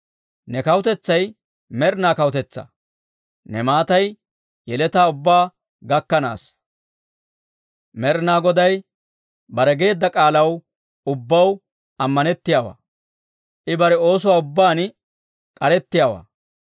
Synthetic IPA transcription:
nɛkɐwʊt̪ɛt͡sːɐj | mɛɾnaːkɐwʊt̪ɛt͡sːɐ̰ | nɛmaːt̪ɐj | jɛlɛt̪aːʊbːaː | ɡɐkːɐna̰ːs | mɛɾnaːɡɔd̪ɐj | bɐɾɛɡe̞ːd̪ːɐkʼaːlɐw | ʊbːɐw | ɐmːɐnɛt̪ːɪjaːwa̰ː | ʔɪbɐɾɛo̞ːsʊwaːʊbːaːn | kʼɐɾɛt̪ːɪjaːwa̰ː

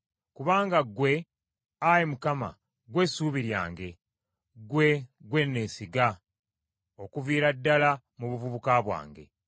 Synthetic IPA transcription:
kuβaːŋɡaɡwe̞ | ajemukama̰ | ɡwe̞suːβiɾja̰ːŋɡe̞ | ɡwe̞ɡwe̞nːeːsiɡa | o̞kuviːɾadːala | muβuvuβukaβwa̰ːŋɡe̞̰

